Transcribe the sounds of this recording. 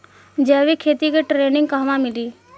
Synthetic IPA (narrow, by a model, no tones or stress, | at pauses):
d͡ʒɛːʋikʰeːt̪ikeʈɾeːnɪ̃ŋɡkaɦʋãmɪliː